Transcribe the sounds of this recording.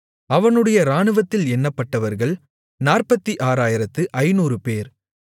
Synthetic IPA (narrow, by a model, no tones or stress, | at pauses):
ɐʋɐnɯɽɐjɐɾaːɳɯʋɐt̪ːɪlɛnːɐpːɐʈːɐʋɐɾɣɐɭ | naːrpɐt̪ːiʔaːɾaːjɪɾɐt̪ːɯʔɐɪnuːrɯpeːɾ